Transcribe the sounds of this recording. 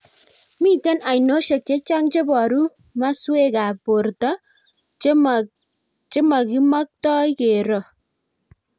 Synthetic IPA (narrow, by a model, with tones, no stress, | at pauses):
mi˦tɛ˦na˨jno˦ʃe˨k̚t͡ʃe˦t͡ʃa˦ŋt͡ʃe˦bɔ˨ɾu˦ | ma˦swe˦ka˨po˨ɾta˦ | t͡ʃe˦ma˨ki˦ma˦k̚tɔ˦jke˨ɾɔ˨